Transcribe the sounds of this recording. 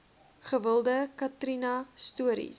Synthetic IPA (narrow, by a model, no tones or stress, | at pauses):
χəvəlˠdəkɐtrinɐstuəɾḭs